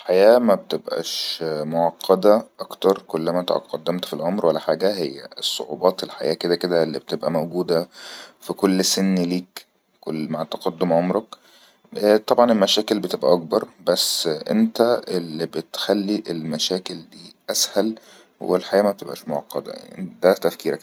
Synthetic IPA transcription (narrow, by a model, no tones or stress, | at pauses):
lħajæːmæbet̪ebʔæ̰ʃmoʕɑqʰːɑd̪æʔɑkt̪ɑɾˤkolːæmæt̪ɑʔɑ̰t̪qɑd̪ːæmt̪filʕomɾwælːæħaːɡæɦejːæ̰esˤːo̰ʕṵːbɑːt̪elħajæːked̪æked̪æelːḭbet̪ebʔæmæwɡuːd̪æfikolːsenːliːk | kolmaʕt̪ːɑqɑd̪ːomʕomɾˤɑkː | t̪ˤɑbʕɑnelmæʃæːkelbet̪ebʔæ̰ʔɑk̚bɑɾˤbæsːʔḛnt̪æelːibet̪xælːiʔelmæʃæːkeld̪iːʔæshæl | wḛlħajæːmæbet̪ebʔæ̰ʃmoʕɑ̰qːɑd̪æ̰j̰id̪æt̪æfkiːɾæk